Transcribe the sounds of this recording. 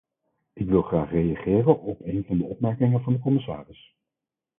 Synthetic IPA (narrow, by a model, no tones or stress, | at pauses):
ɪkʋɪlˠχraːχrejɑχɪːrənɔpejnvɑndəɔpmɛɹkɪŋənvɑndəkɔmɪsa̰ːrɪs